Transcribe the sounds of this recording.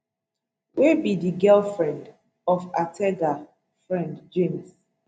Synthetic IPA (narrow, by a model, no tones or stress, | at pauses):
webidiɡɛlfɹɛ̃nd | ɔfatʰɛɡa | fɹɛ̃ndd͡ʒems